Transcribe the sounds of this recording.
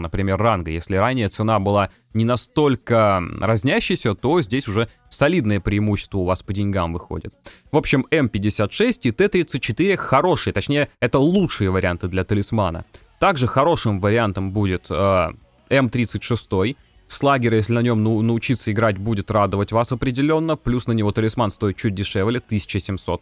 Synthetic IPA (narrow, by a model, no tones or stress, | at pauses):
nəpɾʲɪmʲe̞rːanɡəjesʲlʲɪɾanʲːɪjət̪sɨnabɨlˠa | nʲɪnɐst̪o̞lʲkərɐzʲnʲæɕːɪjsʲət̪o̞zʲdʲesʲʊʐɛ | sɐlʲid̪nəjəpɾʲɪɪmuɕːɪ̥st̪vəʊvaspədʲɪnʲɡamvɨxo̰dʲɪ̰t̪ | vo̞pɕːɪmɛmpʲɪdʲɪsʲat̪ʂɛsʲtʲɪt̪ɛt̪ɾʲit̪sɨt̚ʲt͡ɕːɪt̪ɨɾʲɪxɐɾo̞ʂɨjət̪ɐt͡ɕnʲejəɛt̪əlˠutʂɨjəvəɾʲɪant̪ɨd̪lʲɐt̪əlʲɪsmanə̰ | t̪aɡʐɨxɐɾo̞ʂɨmvəɾʲɪant̪əmbudʲɪt̪ə | ɛmt̪ɾʲit̪sɨtʲʂɨst̪o̞j | slˠaɡʲɪɾʲjesʲlʲɪnɐnʲo̞mnnəʊt͡ɕit̪səɪɡɾatʲbudʲɪt̪rad̪əvətʲvasɐpɾʲɪdʲɪlʲo̞nːəplʲusnənʲɪvo̞t̪əlʲɪsmanst̪o̞ɪt̪̚t͡ɕut̚ʲdʲɪʂɛvlʲɪt̪ɨsʲɪ̥t͡ɕɪsʲɪmso̞t̪̚